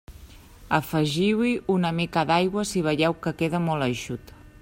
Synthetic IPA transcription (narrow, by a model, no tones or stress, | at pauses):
əfəʒiwiunəmikaðajɣwəsiβ̞əʎɛwkəkeðəmɔlˠəjʃut̪